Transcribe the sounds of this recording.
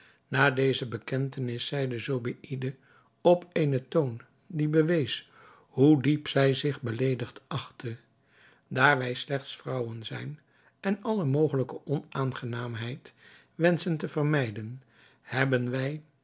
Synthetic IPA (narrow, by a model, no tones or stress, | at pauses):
naːdejzəbəkɛntənɪsɛjdəzobiʔidə | ɔpeːnəton | dibəʋejs | ɦudipsɛjzɪχbəlejdəχtʔɑχtʰə | daːɹʋɛjslɛχtsfrɑwənzɛjn | ɛnɑləmowχələkəʔɔnaːnχənaːmɦɛjt | ʋɛnsəntəvərmɛjdən | hɛbənʋɛj